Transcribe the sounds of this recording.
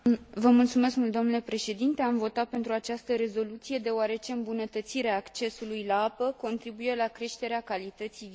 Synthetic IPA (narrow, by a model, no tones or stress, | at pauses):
vəmult̪sume̞skmult̪d̪o̞mnule̞pɾe̞ʃe̞d̪int̪e̞amvo̞t̪at̪̚pe̞nt̪ɾuat͡ʃast̪əɾe̞zo̞lut̪sije̞d̪e̞owaɾe̞t͡ʃe̞ɨmbunət̪ət̪siɾeaːkt͡ʃe̞sulujlaapəko̞nt̪ɾibuje̞lakɾe̞ʃt̪e̞ɾeakalit̪ət̪siv